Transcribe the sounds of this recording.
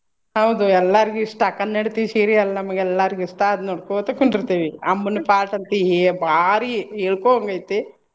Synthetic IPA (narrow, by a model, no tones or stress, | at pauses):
ɦɐwd̪uɛlːaɾiɡuiʂʈɐkɐnːɐɽt̪iʋisiːɾiɐlːɐnɐmɐɡeɛlːaːɾiɡiʂʈaɐd̪unoɽkot̪ɐkoɳɖiɾt̪iːʋiɐmːunpʰaːlʈɐnt̪iɦibaːɾieːɭkoɐŋɡɐjt̪i